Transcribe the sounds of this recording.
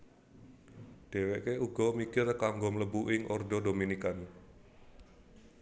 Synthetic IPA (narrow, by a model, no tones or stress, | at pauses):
d̥e̤weʔkeuɡɔmikɪrkaŋɡomələbuʔɪŋʔɔrdɔdominikan